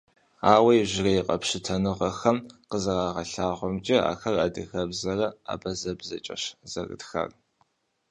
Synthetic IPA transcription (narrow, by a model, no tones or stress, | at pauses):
aːwɐjʒɪrɐjɪqʼɐpɕɪtʰɐnɨʁɐxɐmqəzɐraːʁɐɬaːʁʷɔmt͡ʃʼɪa̰ːxɐraːdɨɣɐbzɐrɐa̰ːbɐzɐbzɐt͡ʃʼɐ̰ɕz̥ɐ̰rɨ̰txɐ̰r